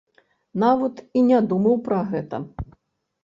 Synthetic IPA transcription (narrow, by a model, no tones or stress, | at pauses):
navɐt̪inʲad̪umɐwpɾɐɣɛt̪ɐ̰